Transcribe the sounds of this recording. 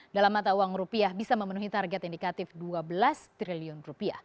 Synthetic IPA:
dalamːat̪auwaŋrupiahbisaməmənuɦit̪arɡɛt̪indikat̪ɪfduabəlast̪ɾiliʊnrupia̰h

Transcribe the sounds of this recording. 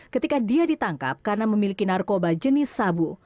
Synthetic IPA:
kət̪ikadiadit̪aŋka̰p̚karənaməmilikinarkobad͡ʒənɪsːabu

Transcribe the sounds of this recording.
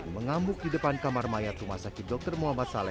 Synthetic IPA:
məŋambʊk̚didəpankamarmajat̪ɾumasakit̪̚dɔk̚t̪ərmuɦamat̪salɛ

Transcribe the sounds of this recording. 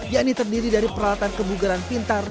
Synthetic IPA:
jaʔnit̪ərdiɾidaɾipəɾalat̪ankəbuɡaɾanpint̪ar

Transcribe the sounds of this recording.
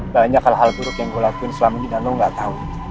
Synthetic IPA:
baɲakhalɦald̪uɾʊk̪jaŋɡolakuɪnsəlamanidanlowŋɡaʔt̪au

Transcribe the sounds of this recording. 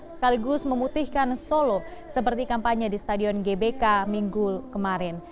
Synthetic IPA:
sə̥kaliɡʊsməmut̪ihkansolosəp̬ərt̪ikampaɲadist̪adiɔnɡebekamiŋɡukəmaɾɛn

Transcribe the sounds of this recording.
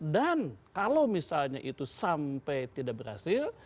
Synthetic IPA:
dankalawmisalɲaʔit̪usampɛjt̪idak̚bərha̰sɪl

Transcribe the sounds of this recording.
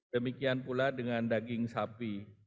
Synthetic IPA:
d̥əmikianpuladəŋandaɡɪŋsapi

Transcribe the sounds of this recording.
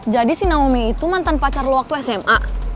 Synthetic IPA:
d͡ʒadisinaŋomiit̪umant̪anpat͡ʃarloak̚t̪uɛsɛma

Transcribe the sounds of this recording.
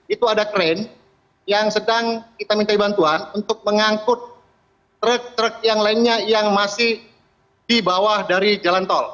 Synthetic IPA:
it̪uadakɾɛn | jaŋsədaŋkit̪amint̪aibant̪uanunt̪ʊk̚məŋaŋkʊt̪̚ː | ɾək̚t̪ɾək̚jaŋlainɲajaŋmasɪh | dibawahdaɾid͡ʒalant̪ɔl

